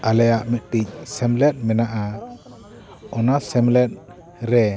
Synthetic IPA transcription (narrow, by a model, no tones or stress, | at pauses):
ʔalɛjaʔmɛʔ̚ʈic̚sɛmlɛt̪̚mɛnaʔa | ɔnasɛmlɛt̪̚ | ɾɛ